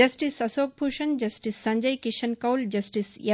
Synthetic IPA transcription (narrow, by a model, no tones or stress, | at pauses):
ɐsʈisɐsoːk̚pʰuʃɐnd͡ʒɐsʈisːɐɲd͡ʒɐjkiʃɐnkɐwld͡ʒɐsʈisjɐ